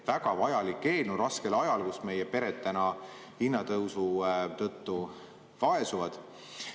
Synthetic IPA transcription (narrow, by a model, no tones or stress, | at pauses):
væɡ̥ɑvɑjɑlikːe̞ːlnuɾɑske̞lɑjɑlkusme̞jepe̞ɾet̪t̪ːænɑ | hinːɑt̪ɤwsut̪ɤt̪ːu | vɑe̞suvɑd̪̥